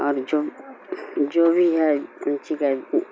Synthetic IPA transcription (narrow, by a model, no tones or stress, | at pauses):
ɔːɾd͡ʒo | d͡ʒoːbʱiɦɛʊnt͡ʃika